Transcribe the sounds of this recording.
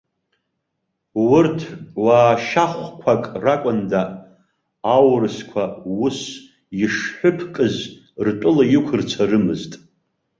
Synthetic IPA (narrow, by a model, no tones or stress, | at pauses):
wʊrtʰwaːʃaχʷkʷʰakʼrakʷʼʊnda | awrɨskʷʰawʊs | iʂħʊpʰkʼɨz | rtʷʼʊlajɪkʷʰɨrt͡sʰarɨmɨztʼ